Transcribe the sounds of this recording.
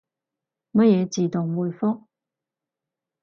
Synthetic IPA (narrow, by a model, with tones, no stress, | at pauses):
mɐ˥t̚jɛː˨˧t͡siː˨˩t̪ʊ˨˩ŋwuː˨˩jfʊ˥k̚